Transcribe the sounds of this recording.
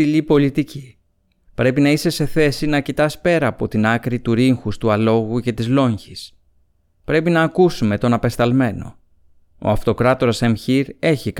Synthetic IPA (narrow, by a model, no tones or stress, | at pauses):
ilipo̞lit̪ici | pɾe̞pinɐise̞se̞θe̞sinɐcit̪ɐspe̞ɾɐːpo̞t̪inɐkɾit̪uɾiŋxust̪uɐlo̞ɣuce̞t̪izlo̞ɲçis | pɾe̞pinɐːkusume̞t̪o̞nɐpe̞st̪ɐlme̞no̞̰ | o̞̰ɐft̪o̞kɾɐt̪o̞ɾɐsemçiɾe̞çik